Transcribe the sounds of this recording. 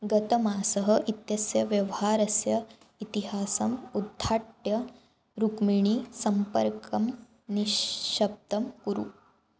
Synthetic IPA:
ɡɐt̪ɐmaːsɐɦɐʔit̪jɐsjɐʋjɐʋɐɦaːɾɐsjɐ | it̪iɦaːsɐmud̪ʱːaːʈjɐ | ɾukmiɳisɐmpɐɾkɐm | niʃʃɐb̚t̪ɐmkuɾṵ

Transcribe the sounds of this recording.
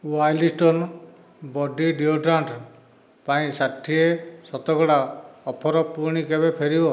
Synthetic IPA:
wajlisʈɔn | bɔɖiɖioʈɾaɳʈ | paĩsaʈʰːiesɔt̪ɔɡɔɽaɔpʰɔɾɔpuɾɳ̃ikebepʰeɾibɔ

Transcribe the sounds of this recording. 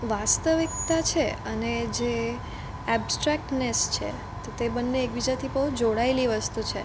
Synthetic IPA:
ʋast̪əʋik̚t̪at͡ʃʰeəned͡ʒe | ɛbsʈɾɛk̚ʈnest͡ʃʰḛ | t̪ot̪ebənːeːk̚bid͡ʒat̪ʰibəɦud͡ʒoɽaeliʋəst̪ut͡ʃʰe

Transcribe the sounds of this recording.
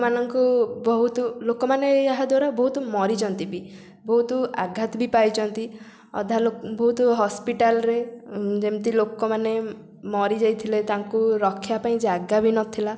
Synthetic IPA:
manɔŋkubɔɦut̪ɔlokɔmaneaɦad̪waɾabɔɦut̪ɔmɔɾit͡ʃʰɔnt̪ibi | bɔɦut̪ɔa̰ɡʱat̪bipajt͡ʃʰɔnt̪i | ɔ̰d̪ʱalbɔɦut̪ɔɦɔspiʈalɾed͡ʒemt̪ilokɔmane | mɔɾid͡ʒajt̪ʰilet̪aŋkuɾɔkʰːjapaĩd͡ʒaɡabinɔt̪ʰila

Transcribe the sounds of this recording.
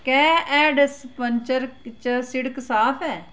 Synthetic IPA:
kɛːɛːɖspəɲt͡ʃəɾt͡ʃəsɪɽksaːpʰɛː

